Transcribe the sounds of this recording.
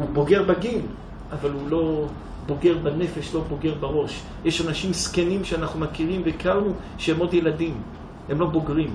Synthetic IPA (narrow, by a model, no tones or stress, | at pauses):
ubo̞ɡe̞ʁbaɡin | ʔavalulo̞ | bo̞ɡe̞ʁbane̞fe̞ʃlo̞bo̞ɡe̞ʁbaʁo̞ʃ | jeʃanaʃimskenimʃeanaχnumakiʁimveikaʁnu | ʃeemo̞d̪jeladim | hemlo̞bo̞ɡʁim